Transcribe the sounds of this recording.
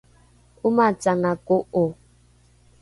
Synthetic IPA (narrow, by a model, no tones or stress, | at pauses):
umat͡saŋakoʔo